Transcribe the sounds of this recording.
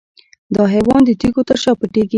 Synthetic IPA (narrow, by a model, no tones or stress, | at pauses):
d̪ɑɦewɑnd̪ət̪ikot̪əɾʃɑpəʈeɡi